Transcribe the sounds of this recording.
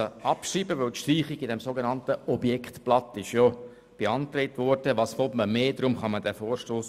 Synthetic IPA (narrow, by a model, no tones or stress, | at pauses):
əɑpʃriːbəʋɵwt̪ʃt̪riːχiɡɪdɛmsoɡenɑnt̪əʔɔbjɛkχt̪plɑt̪ːɪʃjɔ | b̥eɑnt̪ɾɛɪtʋɔɾd̥əʋɑːsfɔpməmeːd̪ɾʊmχɑmədæfɔːɾʃtoːs